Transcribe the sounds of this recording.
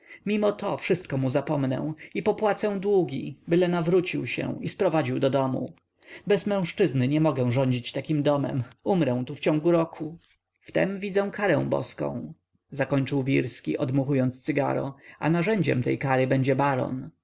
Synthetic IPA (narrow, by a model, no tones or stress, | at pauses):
mʲimɔt̪ɔfʂɘst̪̚kɔmuzapɔmnɛ̰̃ipɔpwat̪sɛw̃d̪wuɡʲḭbɘlɛnavɾut͡ɕiwɕɛ̰̃ispɾɔvad͡ʑiwd̪ɔd̪ɔmṵ | bɛzmɛ̃w̃ʂt͡ʂɘznɘɲɛmɔɡɛw̃ʐɔɲd͡ʑit͡ɕt̪akʲimd̪ɔmɛ̰mumɾɛw̃t̪uft͡ɕɔ̃ŋɡuɾɔkʰu | ft̪ɛ̰mvʲid̪zɛw̃kʰaɾɛ̃w̃bɔ̰skɔ̰̃w̃ | zakɔɲt͡ʂɘwvʲiɾskʲḭʔɔd̪muxujɔnt̪st̪sɘɡa̰ɾɔ̰a̰naʐɛɲd͡ʑɛ̰mt̪ɛjkaɾɘbɛɲd͡ʑɛbaɾɔ̰n